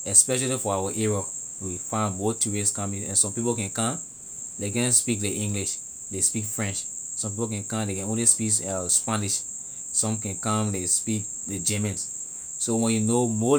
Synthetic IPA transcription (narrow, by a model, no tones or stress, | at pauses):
ɛspɛʃalifɔawaʔeɹɔ | wifãnmɔtuɹeskãmĩɛ̰̃nsɔ̃mpipokɛ̃nkãm | dekɛ̃nspik̚leʔĩŋɡliʃ | despikfɹɛ̃nt͡ʃ | sɔ̃mp̬ipokɛ̃nkãmdekɛ̃nõnlispikaspaniʃ | sɔ̃mkɛ̃nkãmlespik | ded͡ʒɛmɛ̃ns | sowɛ̃njunomɔ